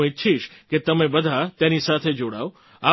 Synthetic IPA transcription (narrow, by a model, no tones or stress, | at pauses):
itːʃʰiʃket̪əmẽbəd̪ʱat̪enisat̪ʰed͡ʒoɽa̰o | a